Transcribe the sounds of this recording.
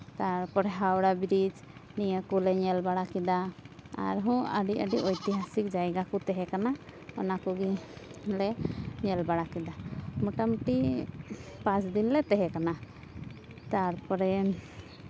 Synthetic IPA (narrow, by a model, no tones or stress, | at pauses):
t̪aɾpɔɾɛɦawɽabiɾid͡ʒ | nijəkulɛɲɛlbaɽakid̪aa̰ɾɦɔ̃ə̰ɖiəɖiʔɔjt̪iɦasik̚d͡ʒajɡakut̪ɛɦɛkanaɔ̰nakuɡilɛɲɛlbaɽakid̪amuʈamʈi | pãt͡ʃd̪inlɛt̪ɛɦɛkana | t̪aɾpɔɾɛ